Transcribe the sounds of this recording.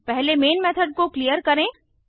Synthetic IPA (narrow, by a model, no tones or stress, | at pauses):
pɛɦlemeːnmɛːt̪ʰəɖ̚koklijəɾkɐɾẽː